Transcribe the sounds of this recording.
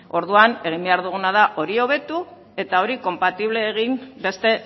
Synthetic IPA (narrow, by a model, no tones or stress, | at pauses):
o̞ɾðuane̞ɣ̞imbe̞aɾðuɣ̞unaðaʔo̞ɾio̞β̞e̞t̪u | e̞t̪ao̞ɾiko̞mpat̪iβle̞ːɣ̞imbe̞st̪e̞